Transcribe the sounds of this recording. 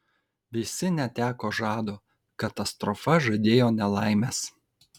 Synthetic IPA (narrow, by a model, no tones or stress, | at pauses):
ʋʲɪsʲɪnʲɛt̪ʲæːkoːʒɑːd̪oː | kɐt̪ɐst̪ɾɔfɐʒɐd̪ʲeːjoːnʲɛlˠɑˑɪmʲɛːs